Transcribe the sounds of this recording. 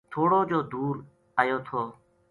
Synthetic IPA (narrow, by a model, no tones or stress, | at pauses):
t̪ʰoːɽoːd͡ʒoːd̪uːɾ | əjoːt̪ʰoː